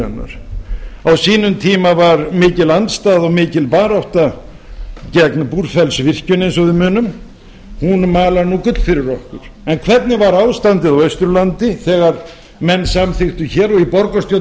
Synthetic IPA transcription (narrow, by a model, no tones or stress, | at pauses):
ɛnːa̰ɾ̥ | awsiːnʏmt̪ʰiːmavaɾmɪːcɪlant̪st̪aːðɔɣmɪːcɪlpaːɾawht̪a | cɛknpuɾ̥fɛlsvɪr̥cʏnejns̬ɔðɪmʏːnʏm | hunmaːlanukʏt̪l̥fɪɾɪɾɔhkʏɾ̥ɛnkʰvɛt̪nɪvaɾaːwðst̪ant̪ɪðawœɥst̪ɾʏlant̪ɪθɛːɣaɾ | mɛnːsamθɪxt̪ʏçɛːɾɔɣipɔɾkɔst̪jow